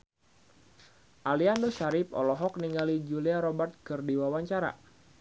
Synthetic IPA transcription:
ʔaliandoʃaɾɪp̚ɔ̰lɔɦɔk̚niŋɡalid͡ʒuliaɾɔbat̪̚kɨrdiwawaɲt͡ʃaɾa̰

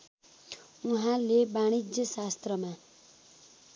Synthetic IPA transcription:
uɦãlebaɽ̃id͡zjʌsast̪rʌma

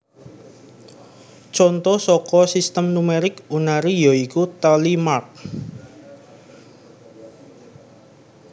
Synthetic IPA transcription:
t͡ʃɔnt̪ɔsɔkɔsist̪əmnumeɾɪkunaɾijɔikut̪alimark̚

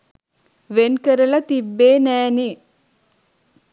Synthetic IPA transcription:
ʋenkəɾɐlɐt̪ibːeːnɛːni

